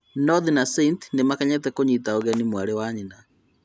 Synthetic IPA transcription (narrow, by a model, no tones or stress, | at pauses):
nɔðinaseint̪nemakaɲɛtɛkoɲitaoɣɛnimwaɾewaɲina